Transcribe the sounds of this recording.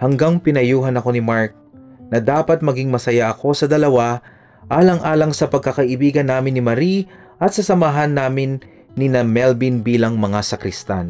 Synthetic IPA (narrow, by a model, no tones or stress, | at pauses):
hɐŋɡaŋpɪnɐjuːɦɐnɐko̞nɪmaɹk̚nɐd̪aːpɐt̪̚mɐɡiŋmɐsɐjaʔɐko̞sɐd̪ɐlɐwa | ʔaːlɐŋʔaːlɐŋsɐpɐɡ̚kɐkɐʔɪbiːɡɐnːaːmɪnːɪmɐɾi | ʔɐt̪̚sɐsɐmɐɦanːaːmɪnː | inɐmɛlbinbiːlɐŋmɐŋasɐkɾɪst̪a̰n